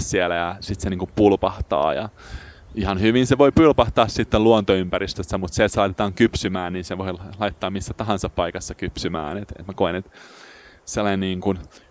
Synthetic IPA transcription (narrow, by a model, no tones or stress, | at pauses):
ssielæjɑsit̪seniːŋkupulpɑht̪ɑ̰ːjɑ̰ | ihɑnhyʋinseʋoipylpɑht̪ɑːssit̪ːeluont̪oympæɾist̪øsːæmut̪siet̪selɑit̪et̪ɑːŋkypsymæːnninseʋoilɑit̪ːɑːmisːæt̪ɑɦɑnsɑppɑikɑsːɑkypsymæ̰ːnet̪ḛt̪mækoinet̪ | selːɑnenniːŋkun